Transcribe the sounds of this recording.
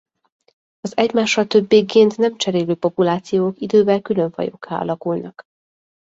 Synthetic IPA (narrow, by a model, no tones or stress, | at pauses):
ɒzɛɟmaːʃːɒlt̪ø̞bːeːkːeːnt̪nɛmt͡ʃɛɾeːløːpo̞pulaːt̪sijoːkid̪øːbɛlkylø̞ɱvɒ̰jo̞̰kːa̰ːɒ̰lɒkulnɒk